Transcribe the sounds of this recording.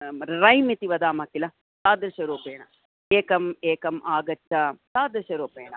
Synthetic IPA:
ɾɐjmit̪iʋɐd̪aːmɐkːilɐ | saːd̪ɾɐʃɐɾoːpeːɳɐ̰ | eːkɐmeːkɐmʔaːɡɐt͡ʃːɐsaːd̪ɾɐʃɐɾoːpeːɳɐ̰

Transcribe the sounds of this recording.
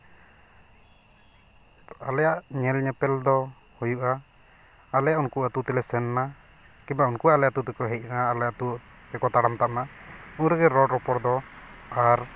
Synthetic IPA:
alɛjaʔɲɛlɲɛpɛld̪ɔ | hujuʔaː | lɛjaʔunkuʔat̪ut̪ɛlɛsɛnːa | kimbaunkuʔaʔalɛjaʔt̪ut̪ɛkɔɦɛc̚naːlɛjaʔt̪uʔ | t̪ɛkɔt̪aɽamt̪aʔnauɾɛɡɛɾɔʈɾɔpɔɾd̪ɔaɾ

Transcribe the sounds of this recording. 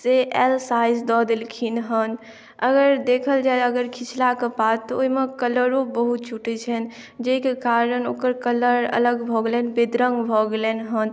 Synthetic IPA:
seʔɛlsajzd̪ɔd̪elkʰinɦən | əɡəɾd̪ekʰəld͡ʒaeəɡəɾkʰit͡ʃʰlakepat̪ːɔoimekələɾobəɦut̪̚t͡ʃʰuʈɛt͡ʃʰɛn | d͡ʒeikekaɾənokəɾkələɾə̰ləɡbʱɔɡelɛnbed̪ɾəŋɡbʱɔɡelenɦən

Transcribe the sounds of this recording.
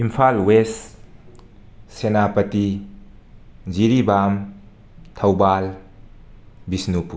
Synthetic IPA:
impʰalwes | senapɐti | ziɾibam | tʰɐwbal | bisnupu

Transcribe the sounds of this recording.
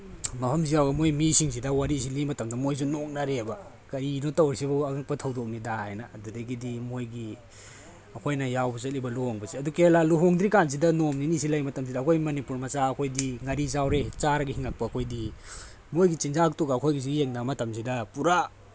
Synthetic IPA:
mɐpʰɐmzijawɡɐmojmisiŋs̬idɐwaɾis̬ilimɐtɐmdɐmojzunoŋ̚naɾebɐ | kɐɾinotɐwɾsibɐɐŋak̚pɐtʰɐwdɔk̚nidaajnɐːdudɐɡidimojɡi | ɐkʰojnɐjawbɐzɐtlibɐluhoŋbɐsiɐdukelaluɦoŋdɾikans̬idɐnomninisilajmɐtɐms̬idɐːkʰojmɐnipuɾmɐt͡ʃaːkʰojdiŋɐɾizawɾet͡ʃaɾɐɡihiŋak̚pɐːkʰojdi | mojɡit͡ʃinzak̚tuɡaːkʰojɡis̬iɡijeŋnɐmɐtɐmsidɐpuɾa

